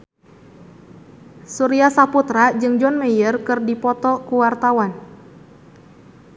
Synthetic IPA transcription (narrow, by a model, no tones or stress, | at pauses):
suɾiasaput̪ɾad͡ʒɨŋd͡ʒɔnmejərkɨrdipɔt̪ɔkuwart̪awan